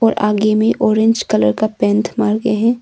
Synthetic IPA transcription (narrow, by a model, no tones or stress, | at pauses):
ɔːɾʔa̰ːɡemẽʔɔːɾɪ̃ɲd͡ʒkɐləɾkapɛ̃ːnt̪ʰmaːɾɡeɦɛ̃ː